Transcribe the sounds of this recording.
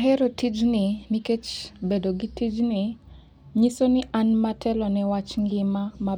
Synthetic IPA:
ɦɛɾotid͡ʒniniket͡ʃbedoɡitid͡ʒni | ɲisonɪʔanmatʰɛlɔnɛwat͡ʃŋɡɪmama

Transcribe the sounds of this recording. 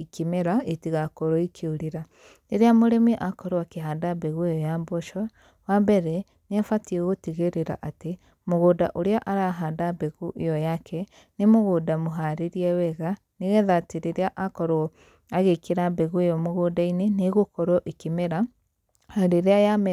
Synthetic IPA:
ikemeɾaetiɣakɔɾoikʰeoɾeɾa | neɾeamoɾɛmiʔakɔɾoakeɦadabɛɣuejɔjamboʃɔ | wambɛɾɛ | neafatiɛɣotiɣeɾeɾa̰ʔate | moɣoːdaʔoɾeaʔaɾaɦadabeɣuʔejɔjakʰɛ | nemoɣoːdamoɦaɾeɾiɛwɛɣa | neɣɛðaːteɾeɾeaʔakɔɾo | aɣekeɾabɛɣuejɔmoɣodaineneɣokɔɾwɔʔikemeɾa | ɾeɾeajamɛ

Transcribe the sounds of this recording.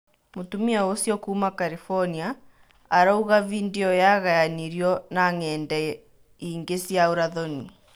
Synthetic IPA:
motumiaosjɔkuːmakaɾifɔniaː | ɾauɣavindeɔjaɣajaniɾiɔnaŋɛːndɛ | iːŋɡesjaoɾaðɔni

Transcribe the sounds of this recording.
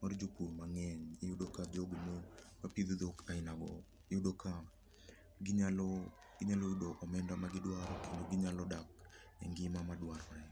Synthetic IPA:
maɾd͡ʒupuɾmaŋɛɲɪudokad͡ʒoɡmomapid̪od̪okaɪnaɡɔ̰ | ɪudoka | ɡiɲalo | ɡɪɲalɔudoʔɔmɛndamaɡɪdwaɾɔkendoɡɪɲalɔdak | ɛ̰ŋɡɪmamadwaɾɔaɛ

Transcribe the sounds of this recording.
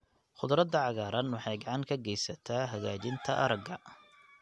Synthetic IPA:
χʊðɾɐd̪ːɐʕɑɣaːɾɐnwɑħɑjɡɑʕɑŋkʰɐɡɛjsɐt̪ʰaːɦɐɣaːt͡ʃɪnt̪ʰɐʔɐɾɐɡɐ

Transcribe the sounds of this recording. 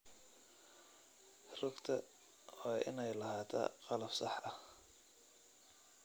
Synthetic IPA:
rʊɡt̪ʰɐ | hʔɪnɛjlɐɦaːt̪ʰɐ̰ːqɑlɐb̥sɑħɐh

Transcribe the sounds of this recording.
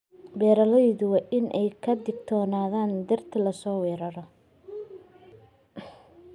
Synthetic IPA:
bɛːɾɐlɐjðʊwɑːʔɪnʔɛjkʰɐd̪ɪɡ̚t̪ʰɔːnaːðaːnd̪ɐrt̪ʰɪlɐsɔːwɛːɾɐɾɔ

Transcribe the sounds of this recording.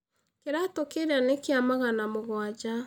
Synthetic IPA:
keɾatokeɾanekeamaɣanamoɣwad͡ʑa

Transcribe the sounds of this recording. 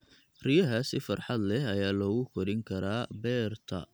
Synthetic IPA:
rijɐɦɐsɪfɐrħɑd̪lɛɦɐjaːlɔːɣʊkʰɔɾɪŋkʰɐɾaːbɛːrt̪ʰɐ̰

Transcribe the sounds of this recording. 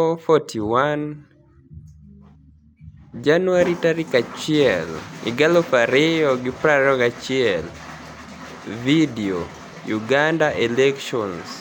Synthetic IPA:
fotiwan | d͡ʒanuaɾitaɾikat͡ʃɪɛlɪ̰ɡalɔfaɾɪɔɡɪpɾaɾɔkat͡ʃɪɛl | video | juɡandaʔelɛkʃɔns

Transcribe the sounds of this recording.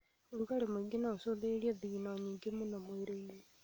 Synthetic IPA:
oɾuɣaɾemweɡenaosoðeɾiɛðiɣinaɲiːŋɡemonamweɾoie

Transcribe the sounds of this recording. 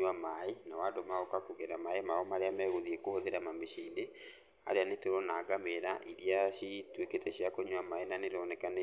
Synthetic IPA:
amaenawadomaokakuɣɛɾamaemaɔmaɾeamɛɣoðiekohoðeɾamameʃiːnde | a̰ɾeanetoɾɔnaːɡameɾaʔiɾiaɕitweketɛɕijakoɲwamaenaneɾɔnɛkane

